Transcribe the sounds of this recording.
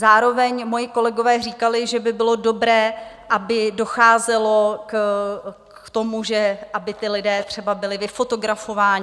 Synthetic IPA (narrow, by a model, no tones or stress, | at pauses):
zaːɾo̞vɛɲmo̞jɪko̞lɛɡo̞vɛːriːkalɪʒɛbɪbɪlo̞do̞bɾɛː | ʔabɪdo̞xaːzɛlo̞k | t̪o̞muʒɛʔabɪt̪ɪlɪdɛːt̪r̝̥ɛbabɪlɪvɪfo̞t̪o̞ɡɾafo̞vaːɲɪ